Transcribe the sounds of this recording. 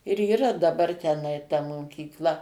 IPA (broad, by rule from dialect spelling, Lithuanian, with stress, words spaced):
ɪr iːˈrɐ dɐˈbɐr tʲɛˈnɐɪ tɐ moːkʲiːkˈlˠɐ